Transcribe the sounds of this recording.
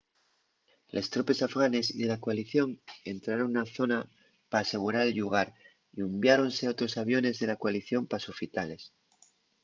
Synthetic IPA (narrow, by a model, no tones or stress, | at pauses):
lʔe̞st̪ɾope̞safɣane̞siðelakoaliθjo̞ŋe̞nt̪ɾaɾo̞ŋnaθo̞na | paːse̞ɣ̞uɾaɾelʎuɣ̞aɾ | iumbjaɾo̞nse̞o̞t̪ɾo̞saβ̞jo̞ne̞zðe̞lakoaliθjo̞mpasufit̪ale̞s